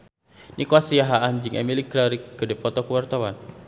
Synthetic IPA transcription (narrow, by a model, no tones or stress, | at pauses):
nʔikwasijaɦaand͡ʒiŋʔɛmilikɾaɾikːədɛpɔt̪ɔkəwart̪awan